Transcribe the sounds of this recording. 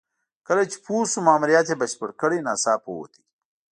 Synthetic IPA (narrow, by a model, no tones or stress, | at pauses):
kɐlet͡ʃi̥pʰuːsumaːmuɾijaːt̪ebɐɕpəɽkəɽinaːsaːpo̰wo̰t̪ʰi̥